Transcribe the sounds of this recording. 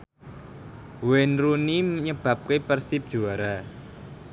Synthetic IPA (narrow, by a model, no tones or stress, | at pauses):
wɛnɾuniməɲəb̥ä̤p̚kepərsip̚dʒ̥ṳaɾa